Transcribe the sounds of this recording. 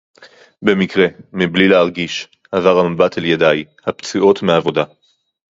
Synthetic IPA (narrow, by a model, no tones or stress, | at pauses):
be̞mikʁe̞miblilehaʁɡiʃ | avaʁamabataljedaj | hapt͡sio̞tmeavo̞da